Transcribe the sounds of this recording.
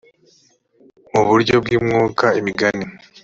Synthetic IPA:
muβuɾɟo̞b̚ɡiːmŋuːkaimiɡani

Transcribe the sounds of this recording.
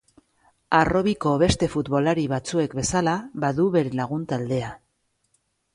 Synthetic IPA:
aro̞βiko̞βe̞st̪e̞fut̪βo̞laɾiβat͡sue̞kbe̞salaβaðuβe̞ɾe̞laɣunt̪ald̪e̞a

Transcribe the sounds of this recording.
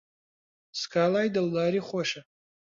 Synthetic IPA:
skʰalajdalːaɾiχʷaʂa

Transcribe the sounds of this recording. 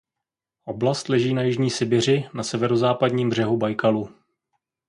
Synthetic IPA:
ʔo̞blast̪lɛʒiːnajɪʒɲiːsɪbɪr̝ɪnasɛvɛɾo̞zaːpadɲiːmbr̝ɛɦubajkalu

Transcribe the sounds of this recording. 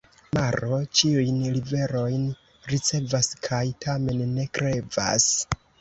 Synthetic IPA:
maɾo̞t͡ʃiujnlive̞ɾo̞jn | ɾit͡se̞vaskʰajtʰame̞nːe̞kɾe̞va̰s

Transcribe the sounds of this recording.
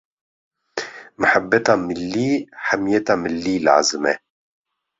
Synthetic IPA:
mɨħabːɛt̪aːmɨlːiːħamijɛt̪ɑːmɨlːiːla̰ʕa̰zɨmɛ

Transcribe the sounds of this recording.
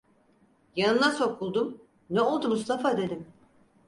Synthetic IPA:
janɯnaso̞kʰulˠd̪um | nɛo̞lˠd̪umust̪ʰafad̪e̞d̪im

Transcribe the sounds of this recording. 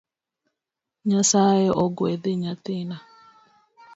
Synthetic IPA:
ɲasajeʔɔɡwed̪eɲat̪ɪna

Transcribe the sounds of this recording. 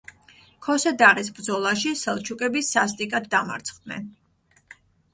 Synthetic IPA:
kʰɔsɛd̪aʁisbɾd̪zɔlˠaʃisɛlˠt͡ʃʰukʼɛbisːas̬t̪ʼikʼad̪ːama̰ɾt̪sʰχd̪nɛ̰n

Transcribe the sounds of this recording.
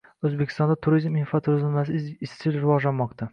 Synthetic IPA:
ɵzbekʲʰɪst̪ɒnd̪at̪ʰʊɾizmɪnfat̪ʰʊɾɪzɪnnasɪzɪst͡ʃ̪ɪlɾɪvɒʒlanmɒqt̪ʰa

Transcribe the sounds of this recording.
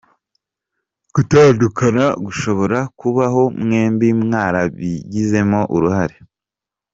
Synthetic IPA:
ɡ̥utaːndukʰanaɡuʃo̞βo̞ɾakuβaɦo̞mŋe̞ːmbimŋaːɾaβiɟize̞mo̞ʔuɾuhaɾe

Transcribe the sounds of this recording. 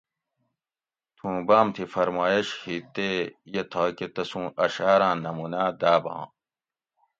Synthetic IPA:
t̪ʰũːbaːmt̪ʰifɐɾmaːjeɕhit̪ːejet̪ʰaːket̪ɐsũːɐɕaːɾãːnɐmuːnaːd̪aːbã̰ː

